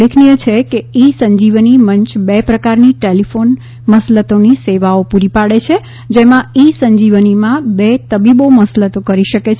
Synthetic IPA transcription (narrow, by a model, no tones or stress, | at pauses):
lekʰnijət͡ʃʰekeisəɲd͡ʒiʋniməɲt͡ʃbepɾəkaɾniʈelifon | məslət̪oniseʋaopuɾipaɽet͡ʃʰe | d͡ʒemãisəɲd͡ʒiʋənimãbet̪əbiboməslət̪okəɾiʃəket͡ʃʰ